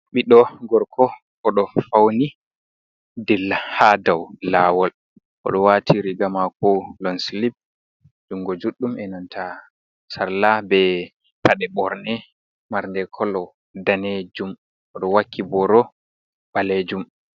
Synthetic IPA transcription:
ɓiɗɔɡɔɾkʰɔ | ʔɔɗɔfawni | dɛlhadawlaːwɔl | ʔɔ̰ɗɔwatʰiɾiɡamakɔlɔnslib̚ | d͡ʒuŋɡɔd͡ʒuɗːumɛnantʰa | saɾlabɛ | paɗɛɓɔɾnɛ | maɾndɛkʰɔlɔ | daned͡ʒum | ʔɔɗɔwakʰːibɔɾɔ | baled͡ʒum

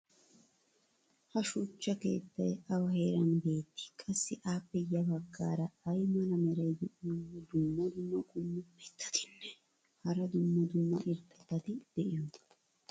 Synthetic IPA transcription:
hɐʃʊt͡ʃːɐke̞̰ːt̪ːɐjɐwɐɦe̞ːɾɐnbe̞ːt̪ːɪ̥kʼɐsːɪʔaːpːɛjɐbɐɡːaːɾɐːjmɐlɐmɛɾɐjd̪ʊd̪ʊmːɐd̪ʊmːɐkʼʊmːʊpɛt̪ːɐ̥t̪ɪ̥nːɛ̥ | hɐɾɐd̪ʊmːɐd̪ʊmːɐʔɪɾt̪ʼɛt̪ːɐt̪ɪd̪̥ɛʔɪjɔn

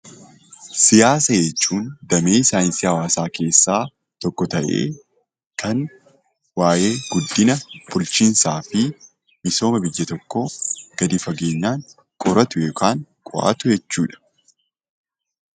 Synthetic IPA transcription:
sɪjaːsɐjɛt͡ʃːuːnd̪ɐmeːsaːjnsɪhɐwaːsaːke̞ːsːaː | t̪ɔkːɔt̪ɐʔe̞̰ː | kʰɐŋ | waːje̞ːɡ̥ʊd̪ːɪnɐb̥ʊlt͡ʃɪnsaːfɪ | mɪso̞ːmɐbɪjːɐt̪ɔkːoɡ̥ɐd̪ɪfɐɡe̞ːɲːaːŋ | kʼɔɾɐt̪ʊjokʰaːŋkʼʊ̰ʔa̰ːt̪ʊjɛt͡ʃːuːᶑɐ̥

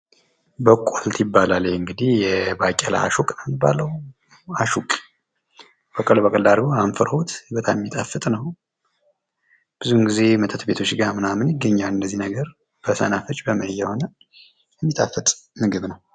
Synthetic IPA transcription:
bəkʼːolt̪ʰjɪbːalaleɨŋɡɨd̪ihjɛbakʼɛla̰a̰ʃukʼnəmɨbːa̰ləw | aʃukʼ | bəkʼəlbəkʼəld̪aɾɡoamfəɾəhut̪ʰbət̪ʰʼammːit̪ʼafɨt̪ʼnəw | b̥ɨzuɨŋɡize̞mət̪ʰət̪be̞t̪ʰot͡ʃːɡamɨnamɨnjɪɡːəɲːalɨnd̪əzːinəɡəɾ | b̥əsə̰nafət͡ʃʼbəməjːɛho̞nə | jɛmːit̪ʼafːɨt̪ʼmɨɡɨβnəw

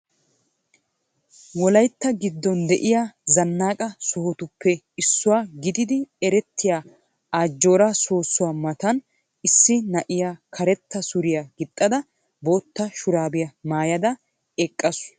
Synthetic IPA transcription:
wɔlɐjt̪ːɐɡɪd̪ːɔnd̪ɛʔɪjazɐnːaːkʼɐsʊhɔt̪ʊpʰːɛ | ɪsːʊwaːɡɪd̪ɪd̪ɪɛɾɛt̪ʰːɪjaː | aːd͡ʒːo̞ːɾɐsoːsːʊwaːmɐt̪ɐn | ɪsːɪnɐʔɪjaːkʰɐɾɛt̪ːɐsʊɾɪjaɡɪt̪ʼːɐd̪ɐ | bo̞ːt̪ːɐʃʊɾaːbɪjɐmaːjɐd̪ɐ | ɛkʼːɐs

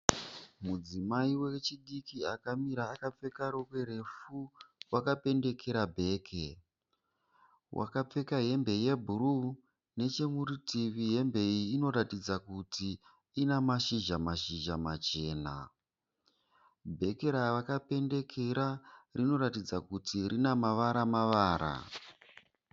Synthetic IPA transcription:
mud͡zimaiwet͡ʃiɗikiakamiɾaːkap͡fe̞kaɾo̞kwe̞ɾe̞fuwakape̞nde̞ke̞ɾabʱe̞ːkʰe | wʔa̰kap͡fe̞kaɦe̞mbe̞je̞bʱuru | ne̞t͡ʃe̞muɾitiʋiɦe̞mbe̞iːno̞ɾatid͡zakuti | inamaʃiʒamaʃiʒamat͡ʃe̞ːna̰ | bʱe̞keɾaʋakape̞nde̞kʰe̞ɾarʔino̞ɾatid͡zakutiɾinamaʋaɾamaʋaːɾa̰

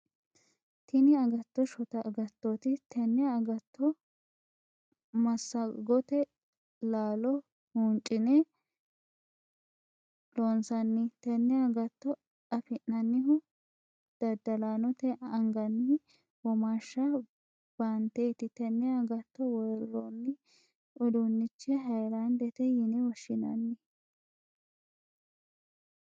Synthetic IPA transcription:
t̪ɪnɪɐɡɐt̪ːɔʃɔt̪ɐɡɐt̪ːɔt̪ɪt̪ʰɛnːɛːɡɐt̪ːɔ | mɐsːɐɡɔt̪ɛ | laːlɔ | hunt͡ʃʼːɪnɛ | loːnsɐnːɪt̪ɛnːɛɐɡɐt̪ːɔ | ɐfɪnːɐnːɪhʊ | d̪̥ɐd̪ːɐlaːnɔt̪ɛʔɐŋɡɐnːɪ | wɔmaʃːɐ | b̥ant̪eːt̪ɪt̪ɛnːɛɐɡɐt̪ːɔwɔjɾɾɔnːɪ | ʔɔd̪ʊnːɪt͡ʃːɛɦɐjlɐnd̪ɛt̪ɛjɪnɛwɔʃːɪnɐ̰nːɪ

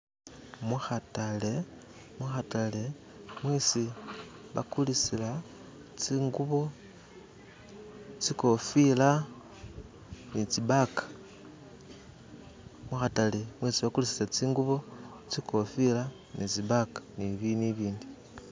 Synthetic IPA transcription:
muxatale̞ | maxatale̞ | mwesiβa̰kulisila | t͡siːŋɡuβo̞ | t͡siko̞fila | nit͡siβakḁ | maxatalemweːsiβakulisiat͡siːŋɡuβo̞ | t͡sikʰo̞fila | nit͡siβakḁniβiniβiːndi

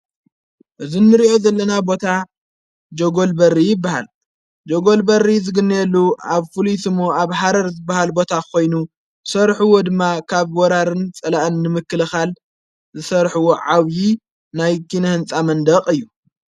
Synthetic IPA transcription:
ʔɨzinːɨɾiʔo̞zɐlːɐnabo̞t̪ʰa | d͡ʒoɡo̞lbɐrːijɪbːaha̰l | d͡ʒoɡo̞lbɐrːizɨɡɨnːjɛlːuaβfɨlisɨmoaβħaɾɐɾzɨbːahalbo̞t̪ʰakʰo̞jnu | zɨsɐɾħuwo̞d̪ɨmːakʰaβwɔɾaɾɨnt͡sʼɐlaʔɨnːɨmɨkːɨlɨxal | zɨsɐɾħuwoʕaβji | najkʰinɐhɨnt͡sʼamɐnd̪ɐqʼɨjːu

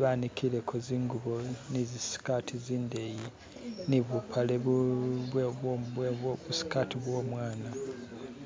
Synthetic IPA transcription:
βanikʰile̞kʰoziːŋɡuβonizisi̥katʰiziːndeji | niβupʰaleβuβ | βusi̥katiβwo̞ːmwaːna

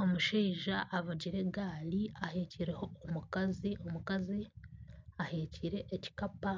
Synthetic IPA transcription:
o̞muʃiːʒaʔːβaɟiɾe̞ɡaːliaheːciɾe̞ho̞ːmukaziomukazi | aheciɾe̞ʔːci̥kapa

